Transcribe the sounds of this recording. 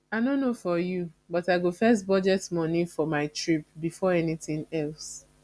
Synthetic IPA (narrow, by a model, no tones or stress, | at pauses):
aɪnõnːofɔjubɔtaɪɡofɛs̬bɔd͡ʒɛtmɔnifɔmaɪtɹip̚bifɔɛnitĩŋɛls